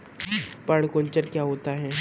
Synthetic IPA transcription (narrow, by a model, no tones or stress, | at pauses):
pɐɽkoːɲt͡ʃəɾkjaːɦoːt̪aɦɛː